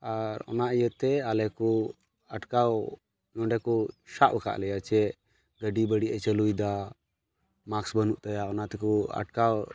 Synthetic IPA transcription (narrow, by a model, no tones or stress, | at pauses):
aɾɔ̰naʔijət̪ɛalɛku | aʈkaw | nɔ̃ɳɖɛkuʃaʔbəka̰ʔlɛjat͡ʃɛ | ɡəɖibəɽiʔət͡ʃəlujd̪a | maksbənuʔt̪ajaɔnat̪ɛkua̰ʈkaw